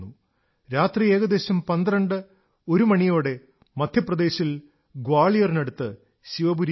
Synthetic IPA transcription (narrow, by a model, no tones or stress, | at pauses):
u | ɾaːt̪rie̞ːɡɐd̪e̞ːɕɐmpɐnd̪ɾɐɳɖɨ | o̞ɾumɐɳijo̞ːɽe̞ | mɐd̪ʱjɐprɐd̪e̞ːɕil | ɡwaːɭijɐrineɽut̪ːɨ | ɕiʋɐbuɾi